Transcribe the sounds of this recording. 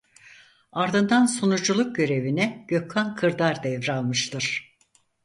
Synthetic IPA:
aɾd̪ɯnd̪ansonud͡ʒulˠuk̚ɟø̞ɾe̞vinɛɟ̥økkankʰɯɾd̪aɾd̪ɛvɾalˠmɯʃt̪ɯɾ̥

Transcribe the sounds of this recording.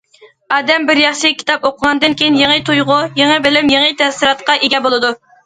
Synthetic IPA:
ɑːd̪ɛmbɪɾjɑχʃɪkʲʰi̥t̪ɑpoqʰəʁɑnd̪ɨnkʲʰejinjeŋət̪ʰujʁʊjeŋɨbɪlɪmjeŋɨt̪ʰɛsɨɾɑt̪qɑʔeɡʲɛbolˠɨd̪u

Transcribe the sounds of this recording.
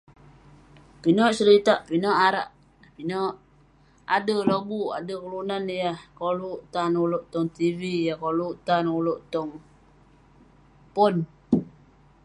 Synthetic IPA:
pinɔʔsəɾit̪aʔpinɔʔaɾa̰ʔ | pinɔʔ | a̰dəlobua̰dəkəlunanjahkoluʔt̪anuloʔt̪ɔŋt̪ivijahkoluʔt̪anuloʔt̪ɔŋ | pɔn

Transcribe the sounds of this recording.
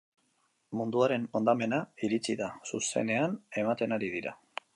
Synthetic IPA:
mund̪uaɾe̞no̞nd̪ame̞naiɾit͡siðasuse̞̰ne̞ane̞mat̪e̞naɾiðiɾa̰

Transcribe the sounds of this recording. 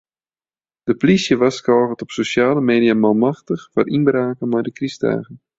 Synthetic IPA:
d̥əplisjəʋaskɔːɣətɔpsoʃjaːləmeːdijamalˠmaxtəxfa̰rʔinbraːkənmɛjdəkrista̰ːɣən

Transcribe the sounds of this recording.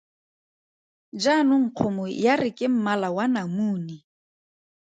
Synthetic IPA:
d͡ʒanʊŋ̩q͡χʰʊmʊjarɪkʼɪm̩malawanamuːni

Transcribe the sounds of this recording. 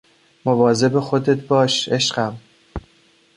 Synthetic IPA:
movɒːze̞bexod̪et̪̚ʰbɒːʃe̞ʃɢæm

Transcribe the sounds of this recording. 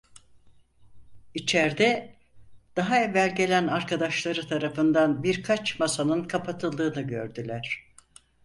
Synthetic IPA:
it͡ʃʰæɾd̪ɛ | d̪̥aɦaevːælʲɟe̞lʲænaɾkʰad̪aʃlˠaɾɯt̪ʰaɾafɯnd̪anbiɾkʰat͡ʃmasanɯnkʰapʰat̪ʰɯlˠd̪ɯːnɯɟø̞̰ɾd̪ylʲæɾ̥

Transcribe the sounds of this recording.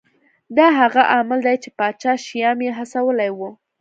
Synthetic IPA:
d̪ɑɦaɣaʔamɪld̪ajt͡ʃepɑt͡ʃɑʃijɑmjeɦasawəlajwu

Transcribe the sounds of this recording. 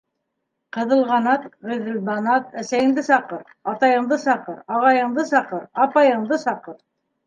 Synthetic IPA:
qɤ̆ðɤ̆lˠʁɑnɑt̪ʁĭðɘ̆lbɑnɑt̪æsæjɘ̆ŋd̪ɘsɑqɤɾ | ɑt̪ɑjɤ̆ɴd̪ɤsɑqɤɾɑʁɑjɤ̆ɴd̪ɤsɑqɤɾɑpɑjɤ̆ɴd̪ɤsɑqɤɾ

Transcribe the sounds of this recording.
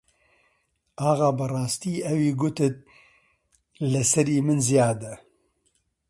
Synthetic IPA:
ɑːɣɑːbɨrɑːst̪iːʔɛwiːɡʊt̪ɨt̪̚ | lɨsɛɾiːmɨnzijaːd̪ɛ

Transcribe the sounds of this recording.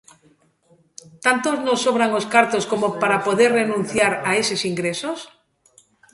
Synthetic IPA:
t̪ant̪oznosːoβɾaŋoskaɾt̪oskomopaɾapoðeɾrenũn̟θjaɾaesesiŋɡɾesos

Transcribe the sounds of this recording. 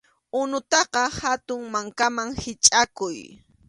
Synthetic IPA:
ʊnʊt̪ɑqɑhat̪ʊŋmaŋkamaŋhɪt͡ʃʼakʊj

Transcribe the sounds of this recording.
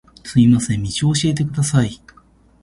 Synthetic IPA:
t͡sɨimasẽmːʲit͡ɕioɕie̞t̪̬e̞kɯ̟d̪asai

